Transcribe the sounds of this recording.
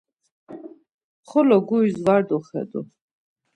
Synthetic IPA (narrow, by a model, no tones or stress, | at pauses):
χɔlɔɡuizvaɾd̪ɔχɛ̰d̪ɔ